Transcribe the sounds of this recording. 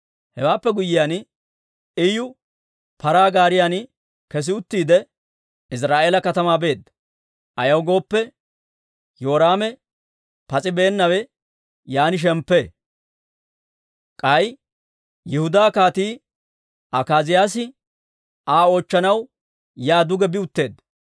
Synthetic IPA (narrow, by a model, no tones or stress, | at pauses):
hɛwaːpːɛɡʊjɪjan | ɪjʊ | pɐɾaːɡaːɾɪjan | kɛs̬ɪʊt̪ːiːd̪ɛ | ɪs̬ɾaːʔe̞ːlɐkɐt̪ɐmaːbe̞ːd̪ːɐ̥ | ʔɐjɐwɡo̞ːpːɛ | joːɾaːmɛ | pɐt͡sʼɪbe̞ːnːɐwɛ | jaːnɪʃ̬ɛmpːe | kʼɐj | jɪhʊd̪aːkaːt̪iː | ʔɐkaːzɪjaːs̬ɪ | aːo̞ːt͡ʃːɐnɐw | jaːd̪ʊɡɛbɪʊt̪ːe̞ːd̪ːɐ